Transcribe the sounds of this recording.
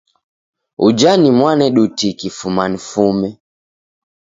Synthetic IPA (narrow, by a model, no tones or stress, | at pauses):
ṵd͡ʒanimwanɛɗutikifumanifumɛ